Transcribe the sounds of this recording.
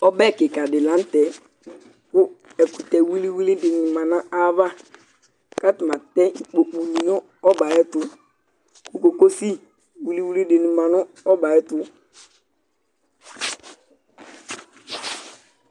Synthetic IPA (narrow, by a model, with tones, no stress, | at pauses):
ɔ˦bɛ˦˨kɪ˨ka˨dɪ˨lã˨˦n̩˦tɛ˨ | kʊ˦ | ɛ˨kʊ˨tɛ˨wi˦li˦wi˦li˦dɪ˨nɪ˨ma˨nã˦a˦va˦ | ka˦tɪ˨ma˨tɛ˦i˨k͡po˨k͡pu˨ni˨nɔ˦ | ɔ˦ba˨ɛ˦tʊ˨ | kʊ˦ko˨ko˦si˦ | wi˦li˦wi˦li˦dɪ˨nɪ˨ma˨nɔ˦ | ɔ˦ba˨ɛ˦tʊ˦